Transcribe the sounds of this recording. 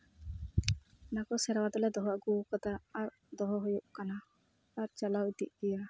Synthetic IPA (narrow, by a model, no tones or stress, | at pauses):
nakɔsɛɾwad̪ɔlɛd̪ɔɦaʔɡukɔt̪aːɾ | d̪ɔɦɔɦujuʔkanaː | ɾt͡ʃalawit̪iʔɡɛja